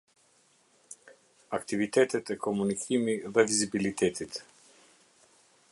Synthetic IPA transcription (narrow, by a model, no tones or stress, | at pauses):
akt̪ivit̪ɛt̪ɛt̪ɛkɔmunikʰimiðɛvizibilit̪ʰɛt̪it̪